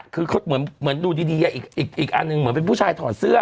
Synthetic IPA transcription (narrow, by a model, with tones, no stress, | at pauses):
kʰɯː˧kʰmɯ˩˦ənmɯ˨˩˦ənduː˧˩diː˧diː˧ka˨˧ʔiː˨˩k̚ʔiː˨˩k̚ʔiː˨˩k̚ʔa̰˧nːɯ˧ŋmɯ˨˦npe˧npʰuː˥˩t͡ɕʰaː˧jt̪ʰɔː˨˩˦nsɯ˥˩ɐə